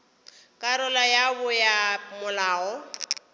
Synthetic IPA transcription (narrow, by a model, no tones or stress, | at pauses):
kʼaɾɔlajabʊjamʊlaːɔ